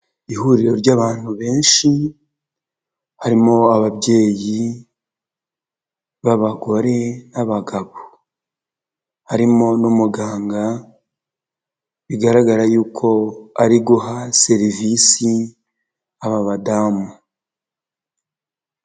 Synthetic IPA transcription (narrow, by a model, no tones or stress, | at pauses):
ihuːɾiɾo̞ɾɟaːβaːn̥huβe̞ːnʃi | haɾimo̞aβaβɟe̞ːji | βaβaɡo̞ɾe̞naβaɡaβo | haɾimo̞numuɡaːŋɡa | βiɡaɾaɡaɾajuːkʰo̞aɾiɡuɦase̞ɾivisi | aβaβadamu